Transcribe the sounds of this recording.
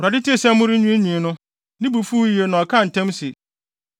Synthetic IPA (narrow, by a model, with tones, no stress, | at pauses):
wɾa˨dɪ˦tʰi˦e˨sɛ˦mʊ̃˦ɾɪ˦ɲũ˦e˦ɲĩ˨nʊ̃˦ | nɪ̃˦bu˨fu˦ji˨e˨nã˨ɔ˨kʰã˦˨n̩˨tʰɛ̃˦msɪ˨